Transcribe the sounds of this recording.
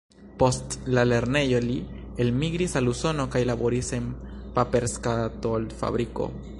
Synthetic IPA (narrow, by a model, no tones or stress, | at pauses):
po̞stlale̞ɾne̞jo̞lielmiɡɾisaluso̞no̞kajlabo̞ɾise̞mpape̞ɾskatolfa̰bɾiko̰